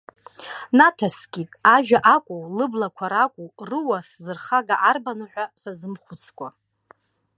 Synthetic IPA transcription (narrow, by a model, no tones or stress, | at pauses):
natʰasɡʲʼitʼaʒᶣaʔakʷʼuwlɨblakʷʰaɾakʷʼurɨwaszɨrχaɡaʔarbanɨħʷᶣasazɨmχʷʊt͡sʰkʷʼa